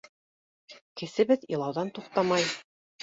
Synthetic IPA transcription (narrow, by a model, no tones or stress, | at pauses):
kɘ̆sɘ̆βɘðĭlˠɑwðɑnt̪uqt̪ɑmɑj